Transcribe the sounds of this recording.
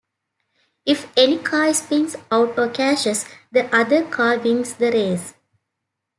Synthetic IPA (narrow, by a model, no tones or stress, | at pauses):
ifenikʰaːspɪ̃ŋsaʊʈoːkæʃəsd̪əʔʌd̪əɾkʰaːʋɪ̃ŋsd̪əɾeːz